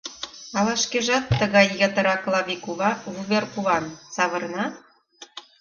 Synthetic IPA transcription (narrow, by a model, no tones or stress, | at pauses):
ɑlɑʃkeʒɑt̪ːəɣɑjːət̪ə̆ɾɑklˠɑβʲikuvɑvuβerkuβɑnt͡sɑβɤ̆ɾənɑt̪̚